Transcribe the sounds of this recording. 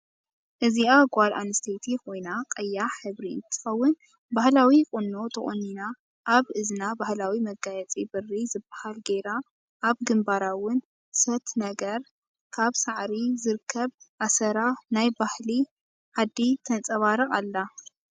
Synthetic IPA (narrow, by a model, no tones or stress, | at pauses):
ʔɨziaɡʷalanɨst̪ʰet̪ʰiko̞jnaqʼɐjːaħɨβɾiɨ̰nt̪ʰːɨ̥xɐwːʊn | bahlawikʼʊnːot̪ʰɐχʼonːina | ʔːβɨznabahlawimɐɡajɛt͡sʼibɨrːizɨbːahalɡe̞ɾa | ʔaβɡɨmbaɾawʊn | sɐt̪nɐɡɐɾ | kʰaβsaʕɾizɨɾɨkʰːɐβʔasɐɾanajbahli | ħad̪ːit̪ʰɐnt͡sʼɐβaɾɨkʼalːa